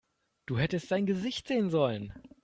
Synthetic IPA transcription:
d̥uːɦɛtəstd̥aɪnɡəzɪçtz̥eːənzɔlən

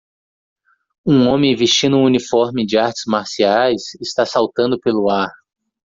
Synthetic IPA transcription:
ũõmẽj̃vist͡ʃĩnd̪ʊũũnifɔɾmɪd͡ʒɪaɾt͡ʃɪ̥zmaɾsiajsɪst̪asawt̪ɐ̃nd̪ʊpelʊaɾ

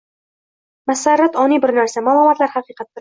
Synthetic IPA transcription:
masaɾːat̪ɒnibɪɾnæɾsamaːlˠɒmɑt̪laɾhaqɨqɑt̪̚ːɪɾ

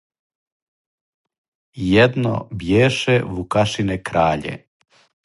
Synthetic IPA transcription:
jɛd̪no̰bjeːʃɛʋukaʃinekɾaːʎḛ

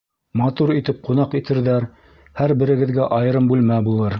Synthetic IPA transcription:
mɑt̪uɾit̪ɘp̚qunɑqit̪ʰɘ̆ɾðæɾ | hæɾbɘ̆ɾɘ̆ɡɘ̆ðɡæʔɑjɤ̆ɾɤmbʉlmæbulˠɤɾ

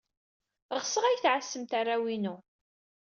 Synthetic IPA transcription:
ʁsəʁæjθʕasːəmt̪arˤːawinu

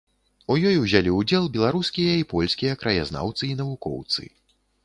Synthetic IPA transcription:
ujɔjwzʲalʲiud͡zʲɛlˠbʲɛlˠaɾuskʲijɐipɔlʲsʲkʲijɐkɾɐja̰zna̰wt̪sɨinɐvukɔ̰wt̪sɨ̰

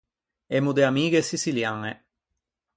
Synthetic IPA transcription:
ɛmud̪eamiːɡesisiljaŋe

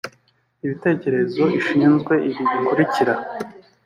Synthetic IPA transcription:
iβite̞ːce̞ɾe̞zo̞iʃiːnzɡwe̞ʔiβiβikuɾiciɾa

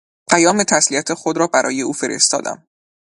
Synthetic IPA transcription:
pʰæjɒːme̞t̪ʰæsliæt̪ʰexod̪ɾɒːbæɾʔɒ̰ːje̞uːfe̞ɾʔḛst̪ɒ̰ːd̪æ̰m

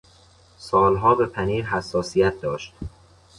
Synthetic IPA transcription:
sɒːlɦɒːbe̞pʰæniːɾɦæsːɒːsijæt̪̚ʰd̪ɒːʃt̪

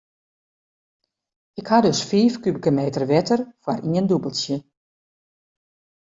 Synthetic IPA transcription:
ɪkhadøsfiːfkybikəmeːtərʋɪtərfwarʔiəndubəlˠsjə

